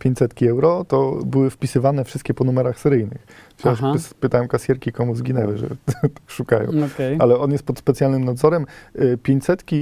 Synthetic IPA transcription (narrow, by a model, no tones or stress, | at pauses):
pʲjeɲt͡ɕsɛt̪kʲiɛwɾɔt̪ɔbɘwɘfpʲisɘvanɛfʂɘst̪̚kʲɛpɔnumɛɾaxsɛɾɘjnɘ̰xasspɘt̪awɛ̃w̃kasʲjɛɾkʲikɔmuzɡʲinɛwɘʐɛ̰t̪ḁkʂukajɔ̰̃w̃ɔkɛjʔalɛɔnjɛst̪pɔt̪spɛt̪sjalnɘmnad̪zɔɾɛmpʲjeɲt͡ɕsɛt̪kʲi